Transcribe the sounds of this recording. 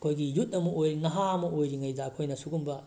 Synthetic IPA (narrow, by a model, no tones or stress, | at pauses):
ɐkʰojɡijutɐmuojɾinɐɦaɐmuojɾiŋɐjdaːkʰojnɐsuɡumbɐ